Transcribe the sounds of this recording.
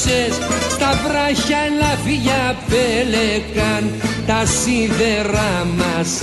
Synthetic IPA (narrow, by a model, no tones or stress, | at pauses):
est̪avɾaçaelaviʝapelekant̪asiðeɾamas